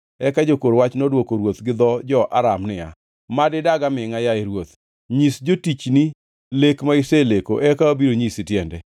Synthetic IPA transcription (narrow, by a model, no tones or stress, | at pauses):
ɛkad͡ʒokoɾwat͡ʃnodwokoɾwot̪ɡɪd̪ɔd͡ʒɔʔa̰ɾamnɪa̰ | madɪdaɡamɪŋajaeɾwot̪ | ɲisd͡ʒotit͡ʃni | lekmaɪselekoʔɛkaobiɾoɲisɪtjɛndɛ